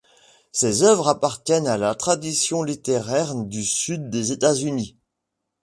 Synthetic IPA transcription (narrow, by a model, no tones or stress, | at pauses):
sezœvʁapaʁt̪jɛnalat̪χad̪isjɔ̃lit̪eʁɛʁd̪ysyd̪ːezet̪azyni